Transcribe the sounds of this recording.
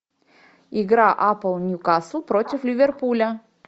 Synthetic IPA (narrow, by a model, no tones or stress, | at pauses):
ɪɡɾaʔapəlˠnʲʊkasupɾotʲɪflʲɪvʲerpulʲə